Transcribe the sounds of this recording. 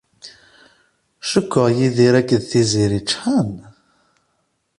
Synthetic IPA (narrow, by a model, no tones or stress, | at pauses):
ʃəkːəʁjiðiɾækːəðθiziɾit͡ʃːħən